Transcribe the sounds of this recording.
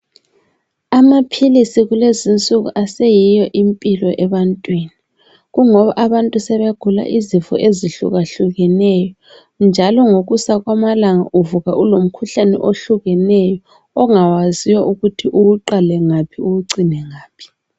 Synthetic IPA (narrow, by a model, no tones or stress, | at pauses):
amapʰilisiɣulezint͡sʼuɣṵʔasejijɔʔimpʼilɔʔɛβantʼwini | ɣuŋɔβaʔaβantʼusɛβeɡ̥ʱula̰ʔizifɔ̰ʔeziɬṵɣaɬuɣɛnɛjɔ | nd͡ʒʱalɔŋoɣusaɣwamalaŋa̰ʔuvuɣaʔulom̩kʰuɬanɛ̰ʔoɬuɣɛnɛjɔː | ŋawaziwɔʔuɣutʰiʔuwuǃalɛŋapʰiuwuǀinɛŋaːpʰi̥